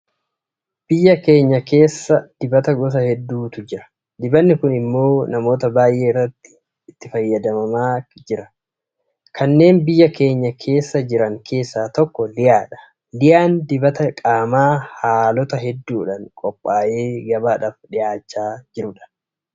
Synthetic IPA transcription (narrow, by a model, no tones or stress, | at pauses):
b̥ɪjːɐke̞ːɲːɐke̞ːsːɐd̪̥ɪbɐt̪ɐɡɔs̬ɐhɛd̪ːuːt̪ʊd͡ʒɪɾɐ̥ | d̪ɪbɐnːɪkʊnɪmːo̞ːnɐmo̞ːt̪ɐbaːjʔe̞ːɪrːɐt̪ːɪ̥ː | t̪ːɪfɐjːɐd̪ɐmɐmaːd͡ʒɪɾɐ | kʰɐnːe̞ːnbɪjːɐke̞ːɲːɐkʰe̞ːsːɐd͡ʒɪɾɐŋkʰe̞ːsːaːt̪ɔkːɔlɪjaːᶑɐ̥ | lɪjʔaːnd̪ɪbɐt̪ɐkʼaːmaːhaːlɔt̪ɐɦɛd̪ːuːᶑɐŋkʼɔpʼːaːjʔe̞ːɡɐbaːᶑɐfᶑɪʔaːt͡ʃːaːd͡ʒɪɾʊᶑɐ̥